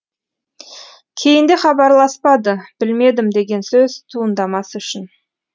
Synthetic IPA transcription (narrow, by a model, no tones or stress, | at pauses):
kʲʰe̞jɪnd̪ɪχɑbɑɾlˠɑspɑd̪əb̥ɪlme̞d̪ɪmd̪e̞ɡʲe̞nsɵzt̪ʰuənd̪ɑmɑsəʏʃɪn